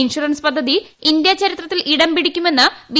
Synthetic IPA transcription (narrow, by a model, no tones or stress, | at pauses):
inʂuɾɐnspɐd̪ʱːɐðiind̪jɐt͡ɕɐɾit̪rɐt̪ːilʔiɽɐmpiɽikʲːume̞nːɨbi